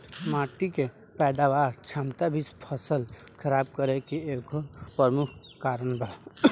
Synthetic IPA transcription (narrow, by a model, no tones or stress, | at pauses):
maːʈike | pɛːd̪aːʋaːɾt͡ʃʰaːmt̪abʱispʰəsəlkʰəɾaːb̚kəɾekieːkpəmʊkʰkaːɾənbəɽa